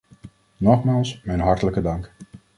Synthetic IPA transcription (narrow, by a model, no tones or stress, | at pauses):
nɔχmaːlˠsmɛjnɦɑɹtələkədɑŋk